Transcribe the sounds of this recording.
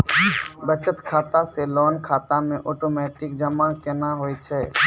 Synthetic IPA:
bət͡ʃət̪kʰaːt̪aselɔːnkʰaːt̪amẽʔɔːʈoːmɛːʈɪkd͡ʒɐmakenaɦoːit͡ʃʰɛː

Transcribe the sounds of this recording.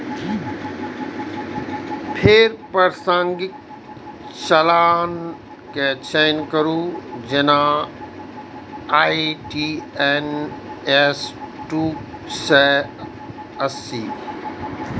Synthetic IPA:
pʰeːɾpɐɾsə̃ŋɡɪ | t͡ɕɐlaːn | ket͡ɕʰeːjnkɐɾud͡ʑenã | aːiʈiːɛnesʈuːsɛ | ɐsiː

